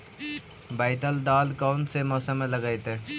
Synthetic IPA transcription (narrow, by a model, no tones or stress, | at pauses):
baːɪʈəld̪aːlkɔːnsemɔːsəm̃ləɡajt̪eː